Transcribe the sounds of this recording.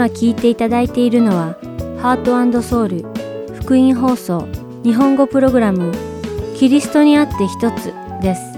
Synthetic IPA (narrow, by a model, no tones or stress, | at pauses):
akʲiːt̪e̞it̪ad̪ait̪e̞iɾɯ̟no̞β̞a | haːt̪o̞ãnd̪o̞so̞ːɾɯ̟ɸɯ̟̥kɯ̟ĩɰ̃ɦo̞ːso̞ː | ɲ̟iɦõ̞ŋɡo̞pɯ̟ɾo̞ɡɯ̟ɾamɯ̟kʲiɾʲisɨ̥t̪o̞ɲ̟iat̪ːe̞çi̥t̪o̞t͡sɨ | d̪e̞sɨ̥